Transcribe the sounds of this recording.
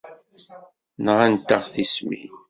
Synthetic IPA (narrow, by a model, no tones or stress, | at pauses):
nəʁænt̪əʁθismḭ